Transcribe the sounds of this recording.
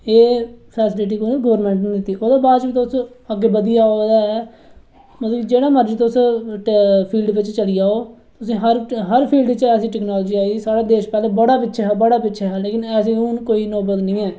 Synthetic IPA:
eːpʰɛːsɪlɪʈ̬iːkoneɡɔːʋəɾmɛ̃ːɳʈnĩːd̪ɪt̪ːiːʔoːd̪aːbaːd̪d͡ʒʋiːt̪ːʊs | əɡːeːbəd̪ijaːod̪aːɛː | mət̪ləːd͡ʒeːɽaːməɾd͡ʒt̪ːʊs | pʰiːlɖʋɪt͡ʃt͡ʃəliːaːoːt̪ʊsĩːɦəɾɦəɾpʰiːlɖt͡ʃɛːsĩːʈɛːknaːlːd͡ʒiːaːiːsaːɽaːd̪eːʃpɛːleːbəɽaːpɪtːʃʰɛɦːbəɽaːpɪtːʃʰɛːɦɛːleːkɪnɛːsĩːʊnkoːiːnoːbəlnĩːɛː

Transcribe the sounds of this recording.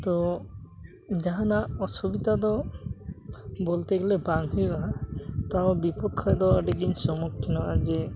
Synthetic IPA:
t̪ɔ | d͡ʒaɦanaɔsubit̪ad̪ɔ | bolt̪eɡelebaŋɦujɡaɦat̪aobipɔkʰːɔjd̪ɔaɖiɡiɲsɔmɔkʰːinɔad͡ʒe

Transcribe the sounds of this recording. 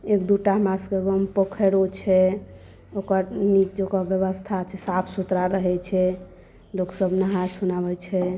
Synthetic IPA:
ekd̪uʈamaskeɡəmpəkʰəɽot͡ʃʰɛ | okəɾnikd͡ʒokɔbjəβəst̪ʰat͡ʃʰɛsapʰsut̪ɾaɾəɦɛt͡ʃʰɛ | loksəbnəɦasunabɛt͡ʃʰɛ

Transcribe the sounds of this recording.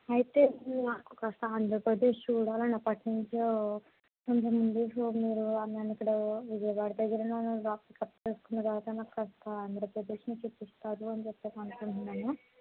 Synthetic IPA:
ɐjit̪enaːku̥kɐst̪ɐɐnd̪ɾɐpɾɐd̪eːʂuɽaːlɐnɐpɐʈːiɲt͡ʃo | kont̪ɐmund̪esoːmiːɾuɐnanikːɐɽɐʋid͡ʒɐjɐʋaːɽid̪ɐɡɐɾɐnɐnuɾaːkikɐpːt͡ʃeːskund̪ɐɡaːt̪anaːkkɐst̪aɐnd̪ɐɾɐpɾɐd̪eːʃɐnut͡ʃepːist̪aːd̪uɐnd͡ʒepːeːt̪ɐnkuɳʈunːaːnu

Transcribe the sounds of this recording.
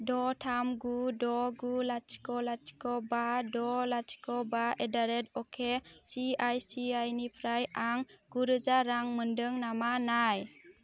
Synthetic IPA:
dɔtʰamɡudɔɡulat͡ʃkɔlat͡ʃi̥kɔbadɔlat͡ʃkɔbaedaɾɛdɔkʰesiajsiajnipʰɾajaŋɡ̥uɾɯd͡ʒaɾaŋməndɯŋnamanaj

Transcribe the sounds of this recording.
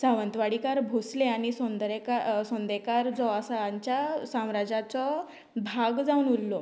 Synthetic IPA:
saʋənt̪ʋaɽikaɾbʱosleaɽ̃isɔ̃nd̪ɾekasɔ̃nd̪ekaɾd͡zɔasaaɲt͡ɕjasãmɾad͡zat͡sɔ | bʱaɡd͡zaunulːɔ

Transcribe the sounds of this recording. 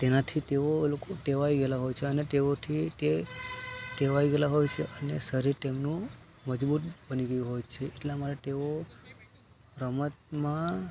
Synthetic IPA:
t̪enat̪ʰit̪eolokoʈeʋaiɡelaɦojt͡ʃʰeənet̪eot̪ʰit̪e | ʈeʋaiɡelaɦojt͡ʃʰeʔənesəɾiʈemnũ | məd͡ʒbut̪̚bəniɡəjũɦojt͡ʃʰeʔeʈlamaɾaʈeo | ɾəmət̪̚mã

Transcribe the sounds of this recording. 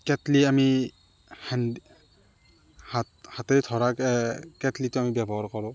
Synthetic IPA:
kɛtliami | hɛnd | hathatɛɹtʰɔɹakɛkɛtlitʊamibɛbɔɦaɹkɔɹʊ̃

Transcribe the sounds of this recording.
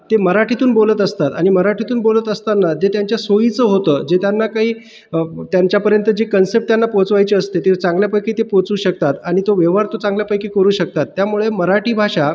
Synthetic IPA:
t̪eməɾaʈʰit̪uːnbolət̪əst̪at̪aɽ̃iməɾaʈit̪uːnbolət̪əst̪anːat̪et̪jaɲt͡ɕjasojit͡səɦot̪əːd͡ʑet̪janːakaɦiː | ət̪jaɲt͡ɕjapəɾjənt̪əd͡ʑekənsep̚ʈt̪janːapot͡sʋajt͡ɕeəst̪et̪et͡sãŋɡljapajkit̪epot͡suːɕək̚t̪at̪aɽ̃it̪oʋeʋɦaɾt̪ot͡sãŋɡljapajkikəɾuːɕək̚t̪at̪ːjamuɭeməɾaʈiːbʱaɕa

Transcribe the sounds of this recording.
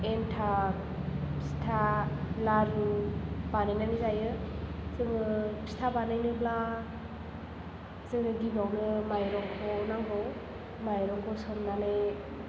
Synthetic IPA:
entʰa | pstʰalaɾɯbanajnanizajɯzɯŋɯpʰstʰabanajnɯbla | zɯŋɯɡibawnɯmajɾɔŋkʰɔnaŋɡɔw | majɾɔŋkʰɔsɔmnane

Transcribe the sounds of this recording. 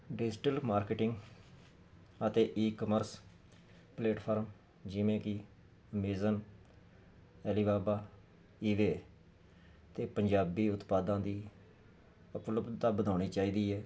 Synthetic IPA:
ɖɪd͡ʒʈəlmaːɾkeʈɪŋɡ | ət̪eːʔiːkəməɾs | pleːʈpʰaːɾm | d͡ʒɪʋẽːkɪ | əmeːzən | ɛːliːbaːbaː | iːʋeː | t̪eːpəɲd͡ʒaːbiːʊt̪paːd̪ãːd̪iː | ʊpləbd̪t̪aːbəd̪aːɽ̃iːt͡ʃaːiːd̪iːɛː

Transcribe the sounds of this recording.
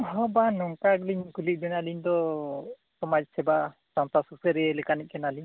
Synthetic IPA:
ɦɔbanɔŋkaɡliɲkulit̪̚bɛnaliɲd̪ɔ | sɔmad͡ʒ̚sɛba | sant̪asuksɛɾɛɛlɛkaniʔ̚ˀkɛnaliɲ

